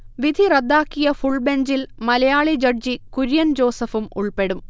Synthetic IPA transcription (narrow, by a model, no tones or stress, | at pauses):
ʋid̪ʱirɐd̪ːaːkːijɐfuɭbeɲd͡ʑilmɐlɐjaːɭid͡ʑɐɖd͡ʑikuɾjɐnd͡ʑo̞ːsɐfumṵɭpe̞ɽum